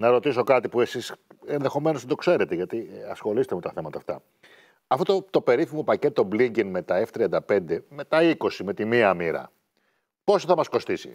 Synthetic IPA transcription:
nɐɾo̞t̪iso̞kɐt̪ipue̞sisenðexo̞me̞not̪ed̪o̞kse̞ɾe̞t̪e̞ʝɐt̪iɐsxo̞liset̪eme̞t̪ɐθemɐt̪ɐːft̪ɐ̰ | ɐfot̪ot̪o̞pe̞ɾiθimo̞pɐce̞t̪o̞bliɲɟinme̞t̪ɐeft̪ɾiɐnd̪ɐpe̞nd̪e̞me̞t̪ɐiko̞sime̞t̪imiɐmiɾɐ̰ | po̞soθɐmɐsko̞st̪isḭ

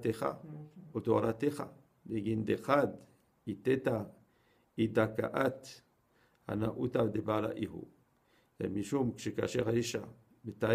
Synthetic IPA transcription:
t̪exa̰olt̪oaɾat̪exa̰ | deɡind̪exad̪ | it̪et̪a | id̪akaʔat̪ | ha̰naʔut̪ad̪ebala̰ʔihṵ | ja̰miʃumkʃeka̰ʃeχaiʃa | bet̪a

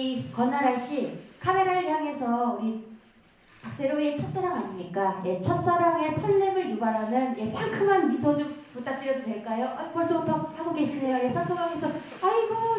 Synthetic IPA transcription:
ikʌnːaɾaɭɕ͈ikʰame̞ɾaɾɭjaŋe̞sʰʌuɾi | pak̚s͈e̞ɾoiet͡ɕʰʌts͈aɾaŋaɲimɲik͈aje̞t͡ɕʰʌt̚s͈aɾaŋe̞sʰʌɭːeŋɯɭjubaɾɦanɯnje̞sʰaŋkʰɯŋanmisʰʌd͡ʑomput͈ak̚t͈ɯɾjʌdodwe̞ɭk͈ajoʔaikʌɭs͈ubutʰʌhaɡoɡe̞ɕʰine̞joje̞sʰaŋkʰɯŋɦaɡʌsʰʌ | aimʌ

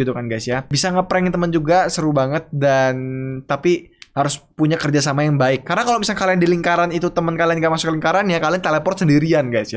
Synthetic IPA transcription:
it̪ukanɡajsjabisaŋapɾɛŋnt̪əmənd͡ʒuɡasəɾubaŋət̪̚dant̪apihaɾʊspuɲakərd͡ʒasamajaŋbaɪkːaɾənakalomisalkaliandiliŋkaɾanit̪ut̪əmənkalianɡaʔmasʊkəliŋkaɾanjakaliant̪eləpɔnsəndiɾianɡajsja

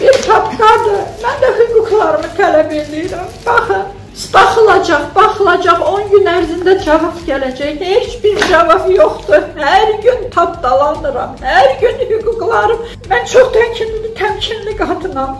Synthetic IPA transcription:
b̥iɾt̪ʰɑpɡ̪ɑd̪ɯmænd̪æhyɡuklˠɑɾɯmɯt̪ʰælæbelijɾæmb̥ɑχɯn | sbɑχɯlˠɑd͡ʒɑχbɑχɯlˠɑd͡ʒɑχo̞nɟynæɾzind̪æd͡ʒɑvɑpɟælæd͡ʒæçhet͡ʃʰbiɾd͡ʒɑvɑpjoχt̪uhæɾɟynt̪ʰɑpd̪ɑlˠɑnɯɾɑmhæɾɟynhyɡuɡlˠɑɾɯm | mænt͡ʃʰoχt̪ʰæmcʰinlilit̪ʰæmcʰinliɡɑt̪ʰɯnɑm

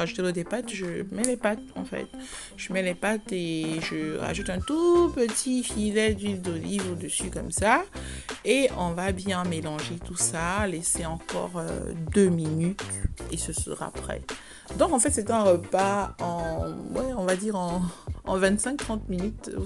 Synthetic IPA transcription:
aʒut̪elod̪epat̪ʒəmɛlepat̪ɑ̰̃fɛ̰t̪ | ʒ̥əmɛlepat̪eʒəʁa̰ʒut̪ɛ̃t̪upət̪ʰifilɛd̪ild̪olivod̪əsykɔmsa | eɔ̃vabjɛ̃melɑ̃ʒet̪usaleseɑ̃kɔ̰ʁø̰d̪øminyt̪esəsə̰ʁa̰pχɛ̰ | d̪ɔ̃kɑ̃fɛt̪set̪ɛ̃ʁəpaɑ̃wɛɔ̃vad̪iʁɑ̃ɑ̰̃vɛ̃t̪sɛ̃k̚t̪χɑ̃t̪minyt̪

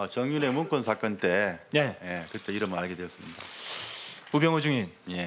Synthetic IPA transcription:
ʌt͡ɕʌŋjune̞munkʰonsʰak͈ʌnt͈e̞jejekɯt͈ʰeiɾʌmʌnaɭɡe̞dweʌs͈ɯmɲid̥a | ubjʌŋod͡ʑuŋinje̞

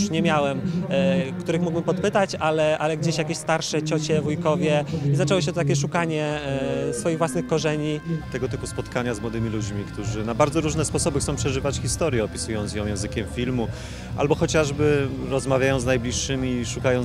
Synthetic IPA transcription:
ʂɲɛmʲjawɛm | kt̪uɾɘxmuɡbɘmpɔt̪̚pɘt̪at͡ɕalɛʔalɛɡd͡ʑeɕjakʲeɕst̪aɾʂɛt͡ɕɔt͡ɕɛvujkɔvʲjɛizat͡ʂɛwɔɕ̬ɛt̪ɔt̪akʲɛʂ̬ukaɲɛsfɔjiɣvwasnɘxkɔʐɛɲit̪ɛɡɔt̪ɘpuspɔt̪kaɲazmwɔd̪ɘmʲilud͡ʑmʲikt̪uʐɘnabaɾd̪zɔɾuʐnɛspɔsɔbɘxt̪ɔ̃w̃pʂɛʐɘvat͡ɕxʲist̪ɔɾjɛɔpʲi̥sujɔnt̪sjɔ̃w̃jɛ̃w̃zɘkʲɛmfʲilmu | ʔa̰lbɔxɔt͡ɕaʐbɘɾɔzmavʲjajɔ̃w̃znajblʲiʂːɘmʲiʂukajɔ̃n

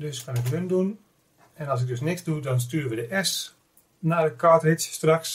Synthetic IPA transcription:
døskanɪkɦøndun | ɛnɑlˠs̬ɪɡ̚døs̬nɪkzdudɔns̬tyːrəʋədəʔɛs | nadəkʰaːtrɪtsəstraks

